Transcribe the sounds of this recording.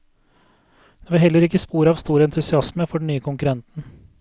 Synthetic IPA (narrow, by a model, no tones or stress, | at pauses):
d̪̥eːʋɪhɛlːəɾɪkːəspuːɾəɑːʋst̪uːɾəɛnt̪ʉsɪɑsməfɔɖɳ̩nyːəkʰʊŋkʉɾɛnt̪n̩